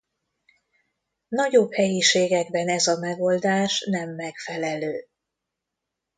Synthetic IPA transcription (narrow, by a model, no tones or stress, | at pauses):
nɒɟo̞bhɛjiʃeːɡɛɡbɛnɛzɒmɛɡo̞ld̪aːʃnɛmːɛkfɛlɛløː